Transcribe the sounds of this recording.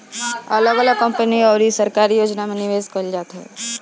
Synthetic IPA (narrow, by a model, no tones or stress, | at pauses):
alɔɡɔlakɐ̃mpəniɔːɾisəɾkaːɾijoːd͡ʒnamẽnɪʋeːzkəld͡ʒaːt̪ɦɛː